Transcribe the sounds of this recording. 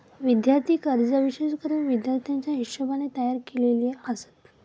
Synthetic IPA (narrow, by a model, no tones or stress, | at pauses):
ʋid̪jaɾt̪ʰiːkəɾd͡zaʋiɕeskəɾuːnʋid̪jaɾt̪ʰjaɲt͡ɕjaɦit̪ɕəbanet̪əjaɾkelelieəsə̥t̪